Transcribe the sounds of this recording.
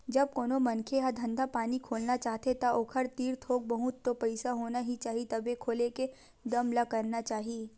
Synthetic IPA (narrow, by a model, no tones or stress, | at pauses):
d͡ʒɐb̚koːnomɐnkʰeɦad̪ʱɐ̃nd̪ʱapaːnikʰoːlnat͡ʃaːɦt̪et̪aʔoːkʰəɾt̪iːɾt̪ʰoːk̚bɐɦʊt̪ːopɛɪsaɦoːnaɦit͡ʃaːɦit̪ɐbekʰoːleke | d̪ɐmlakɐɾnat͡ʃaːɦieː